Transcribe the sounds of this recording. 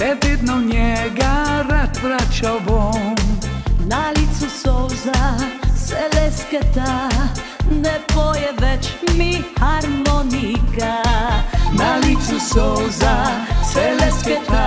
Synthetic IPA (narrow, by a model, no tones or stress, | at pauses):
ɛved̪nɔɲɛɡaɾat̪pɾat͡ʃabɔmnalit̪susɔwzasɛlɛskɛt̪a | nɛpɔjɛʋɛt͡ʃmihaɾmɔnika | nalit̪susɔwzasɛlɛskɛt̪a